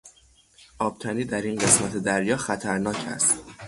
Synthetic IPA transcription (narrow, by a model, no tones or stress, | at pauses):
ʔɒːb̥̚t̪ʰæniːd̪æɾinɢe̞smæt̪ʰe̞d̪æɾjɒːxæt̪ʰæɾnɒːcʰæ̰st̪